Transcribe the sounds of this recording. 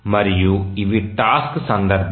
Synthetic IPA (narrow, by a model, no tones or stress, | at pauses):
mɐɾɪjuɪʋiʈaːsksɐnd̪ɐɾb